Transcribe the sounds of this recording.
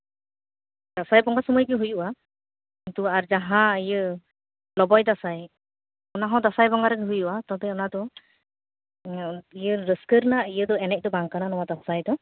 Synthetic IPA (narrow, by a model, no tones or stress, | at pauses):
d̥asajbɔŋɡasɔmɔjɡɯɦujuʔa | kintuaɾzaɦãijɯ | lɔbɔjdasaj | ɔnaɦãdasajbɔŋaɾaɡiɦujuʔatabɛɔnadɔ | ijəɾəskəɾnaijɯdɔɛnɛk̚dɔbaŋkananɔwadasajdɔ